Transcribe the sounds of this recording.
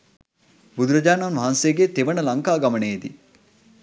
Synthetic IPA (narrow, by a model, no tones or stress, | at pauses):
bud̪uɾɐd͡ʒaːnɐnʋaɦansejɡet̪eʋəɳəlɐŋkaːɡɐməɳejed̪i